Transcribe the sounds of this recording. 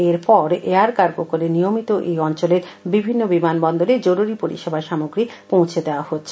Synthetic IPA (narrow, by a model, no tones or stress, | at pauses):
eɾpɔɾeaɾkaɾkokoɾenijomit̪oʔejɔnt͡ɕoleɾ | bibʱinːobimanbɔnd̪oled͡ʑoɾuɾipoɾḭʃebʱaʃamoɡɾipõw̃t͡ɕʰed̪eoahotːɕʰe